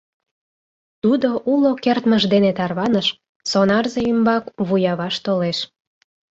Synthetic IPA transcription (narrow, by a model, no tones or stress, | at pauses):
t̪ud̪oʔulokert̪məʒd̪enet̪ɑrβɑnəʃ | sonɑrzeymbɑkβujɑβɑʃt̪oleʃ